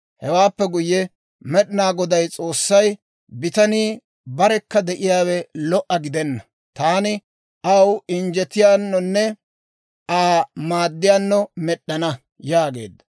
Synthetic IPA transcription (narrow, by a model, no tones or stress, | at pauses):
hɛwaːpːɛɡʊjːɛ | mɛɗɪnaːɡɔd̪ɐjt͡sʼo̞ːsːɐj | bɪt̪ɐniː | bɐɾɛkːɐd̪ɛʔɪjaːwɛlɔʔɐɡɪd̪ɛnːɐ | t̪aːnɪ | ʔɐwɪnd͡ʒɛt̪ɪjaːnːɔnːɛ | aːmaːd̪ːɪjaːnːɔmɛɗːɐnɐ | jaːɡe̞̰ːd̪ːɐ̥